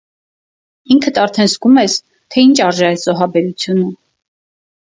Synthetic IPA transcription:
iŋkʰət̪ʰɑɾt̪ʰɛnzɡumɛs | t̪ʰɛint͡ʃʰɑɾʒɛɛzɔɦɑbɛɾut͡sʰjunu

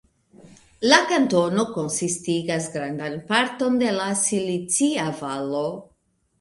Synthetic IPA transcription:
lakanto̞no̞ko̞nsistiɡas̬ɡɾandanpaɾto̞nde̞lasilit͡siavalo̞

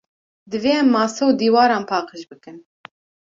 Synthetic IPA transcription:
d̪ɨveːɛmːɑːsɛwd̪iːwɑːɾɑːnpʰɑːqəʃbɨkɨn

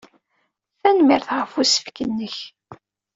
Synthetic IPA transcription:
θænmiɾθʁəfusə̥fkənːəç

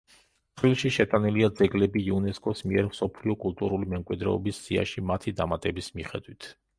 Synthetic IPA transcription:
t̪ʰʼɾilˠʃiʃɛt̪ʼaniliad̪zɛɡlɛbiːunɛskʼɔsmiɛɾmsɔpʰliɔkʼulˠt̪ʼuɾulimɛmkʼwid̪ɾɛ̰ɔbisːia̰ʃimat̪ʰid̪amat̪ʼɛbismiχɛd̪wit̪ʰ

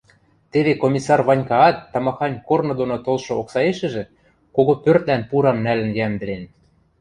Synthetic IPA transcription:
t̪eβekomʲisɑrβɑnʲkɑɑt̪ːɑmɑxɑnʲkornŏd̪onot̪olʃŏoksɑeʃɘ̆ʒĕ | koɣopørt̪lænpuɾɑmnælə̆njæmd̪ɘ̆len

